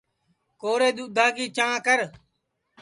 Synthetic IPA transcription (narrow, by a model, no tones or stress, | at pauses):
koːɾeːɗ̪uːd̪ʱaːkiːt͡ʃãːkəɾ